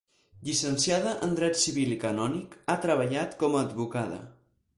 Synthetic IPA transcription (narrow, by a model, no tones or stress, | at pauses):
ʎisənsiaðəʔənd̪ɾɛt̪siβilikənɔnikat̪ɾəβ̞əʎat̪kɔməːd̪βukaðə̰